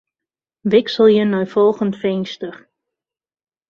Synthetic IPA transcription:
ʋɪksəlˠjənɔɥfɔlˠɣəntfɪnstər

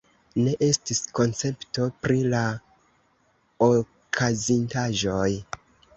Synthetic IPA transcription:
ne̞ʔe̞stisko̞nt͡se̞pto̞pɾila | o | kʰazintaʒo̞j

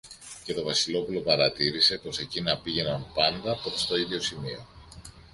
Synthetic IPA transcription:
ce̞t̪o̞vɐsilo̞pulo̞pɐɾɐt̪iɾise̞po̞se̞cinɐpiʝe̞nɐnpɐnd̪ɐpɾost̪o̞iðʝo̞simio̞

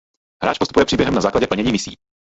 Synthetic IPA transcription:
hɾaːt͡ʃpost̪upujɛpr̥iːbjɛɦɛmnazaːklaɟɛpl̩ɲɛɲiːmɪsḭː

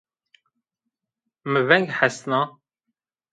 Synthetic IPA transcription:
məvæŋɡħasnə

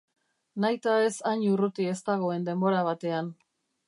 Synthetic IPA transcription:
najt̪ae̞saɲurut̪ie̞st̪aɣ̞o̞e̞nd̪e̞mbo̞ɾaβ̞at̪e̞an

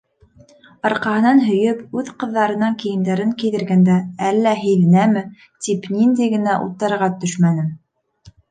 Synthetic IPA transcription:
ɑɾqɑhɤ̆nɑnɦɵ̆jɵpʉðqɤ̆ðːɑɾɤ̆nɑŋkijɘ̆nd̪æɾɘŋkiðɘ̆ɾɡænd̪æælːæɦɘ̆jðɘ̆næmɘ | t̪ipnind̪æjɡɘ̆næʔṵt̪ːɤ̆ɾɤ̆ɾʁɑt̪ɵʃmænɘm

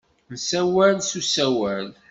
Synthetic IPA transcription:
nsæwælsusæwæl

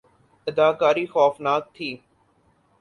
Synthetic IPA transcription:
ɪd̪aːkaːɾixɔːfnaːk̚t̪ʰiː

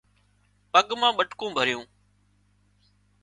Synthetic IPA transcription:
pəɠmãːɓəʈkõːbʱəɾɪjõː

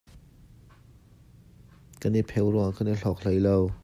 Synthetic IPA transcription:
kənipʰɛwɾɔŋakəniɬɔk̚l̥əjlɔw

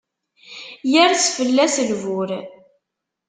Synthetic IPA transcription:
jæɾsfəlːæslvʊɾ

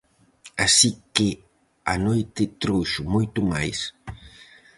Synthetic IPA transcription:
asike | anojt̪et̪ɾuʃʊmujt̪umajs

